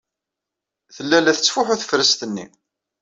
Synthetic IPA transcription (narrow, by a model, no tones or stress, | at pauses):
θəlːælːæθə̥t͡sːfʊħuθə̥fɾəst̪ənːḭ